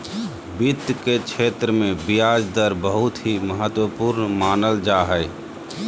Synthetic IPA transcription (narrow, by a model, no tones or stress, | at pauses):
bit̪ːket͡ʃʰet̪ɾəmẽbijad͡ʒd̪əɾbəɦut̪ɦiməɦət̪wəpuɾnmaːnəld͡ʒaɦəj